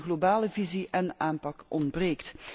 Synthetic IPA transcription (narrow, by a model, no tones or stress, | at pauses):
ɣlobaːləviziʔɛnaːnpɑkʔɔndbreːkt